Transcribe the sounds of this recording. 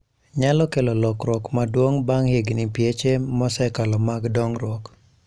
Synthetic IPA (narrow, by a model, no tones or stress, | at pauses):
ɲalɔkelɔlɔkɾɔkmadwoŋbaŋheɡnipjet͡ʃemɔsɛkalɔmaɡdɔŋɾɔk